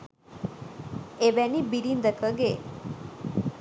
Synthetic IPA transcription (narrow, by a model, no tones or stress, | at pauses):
ebɛnibiɾind̪əkʰəɡe